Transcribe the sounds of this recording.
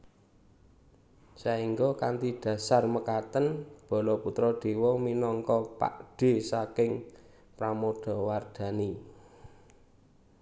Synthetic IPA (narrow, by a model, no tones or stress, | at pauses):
saiŋɡɔkant̪id̪̥ä̤sarməkat̪ənb̥ɔ̤lɔput̪ɾɔɖ̪̥e̤wɔminɔŋkɔpa̰ʔɖ̥e̤sakɪŋ | pɾamod̪̥ɔ̤ward̪̥a̤ni